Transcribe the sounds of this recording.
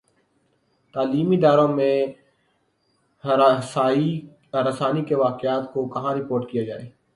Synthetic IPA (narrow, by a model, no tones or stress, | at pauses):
t̪aːliːmid̪aːɾõmẽ | ɾɐsaːnikeʋaːkɪaːt̪kokɐɦãɾɪpoːɾʈkijad͡ʒaːeː